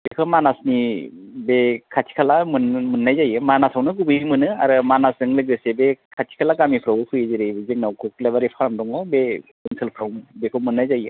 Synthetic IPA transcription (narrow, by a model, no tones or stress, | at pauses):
bekʰɯmanasnibekʰatʰi̥kʰalamɯnmɯnːajzajɯmanasawnɯk̬ubɯjimɯnɯa̰ɾɯmanasdɯŋlɯɡɾɯsebekʰatʰi̥kʰalakamipʰɾawɯpʰɯjezeɾejbezeŋ̚nawkʰuk̚lebaɾipʰaɾmdɔŋɔbe | ɯnsʰɯlpʰɾawmbekʰɯmɯnːajzajɯ